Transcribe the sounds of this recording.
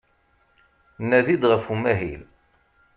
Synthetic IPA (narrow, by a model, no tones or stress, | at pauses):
nːæðid̪ʁəfumæɦil